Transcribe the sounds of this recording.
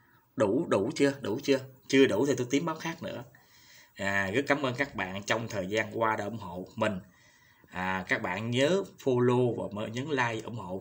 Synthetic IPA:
ɗu˧˩ɗu˧˩t͡ɕɨ˧əɗṵ˧˩t͡ɕɨ˧ət͡ɕɨ˧əɗṵ˧˩t̪ʰi˨˩t̪o˧jt̪i˨˦əmɓaː˨˦˥wxaː˦˥k̚nɨ̰˧˥ə | aː˨˩ɣə˦˥t̚kaː˨˦mʔəː˧nkaː˦˥k̚ɓa̰ː˧˨nt͡ɕɔ˧wŋ͡mt̪ʰəː˨˩jzaː˧nkwaː˧ɗeː˧˦ʔʊ˧˩˦ŋ͡mho̰˧˨mï˨˩ŋ̟ | ʔaː˨˩kaː˦˥k̚ɓa̰ː˧˨nɲəː˨˦fo˧lo˧vaː˨˩məː˧˨ɲɨ˨˦nlaː˧jʔʊ̰˧˩wŋ͡mho̰˧˨

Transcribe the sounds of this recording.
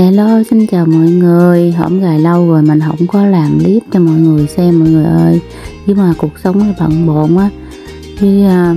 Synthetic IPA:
mɛ̰˧˨lo˧sï˧ŋ̟t͡ɕaː˨˩wmɔ̰˧˨jŋɨ˨˩əjɦə̰˧˩wŋ͡mzaː˨˩jlə˧wɣo˨˩jmï˨˩ŋ̟ɦə̰˧˥wŋ͡mkɔ˨˦laː˨˩mli˦˥əp̚t͡ɕɔ˧mɔ̰˧˨jŋɨ˨˩əjsɛ˧mɔ̰˧˨jŋɨ˨˩əjʔəː˧j | ɲɨ˨˦maː˨˩ku˨˩ək̚sə˨˦wŋ͡mla˨˧˦ɓə̰˧˨ŋɓo̰˧˨nʔaː˨˦ | t̪ʰi˨˦əː˧

